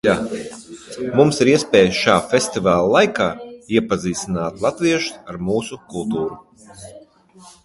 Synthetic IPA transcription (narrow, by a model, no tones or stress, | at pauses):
jaː | mumsiɾiɛspɛːjʃaːfʲest̪ivaːlˠlˠajkaːiɛpaziːsinaːt̪lˠat̪viɛʃu̥aɾmuːsukulˠt̪uːɾu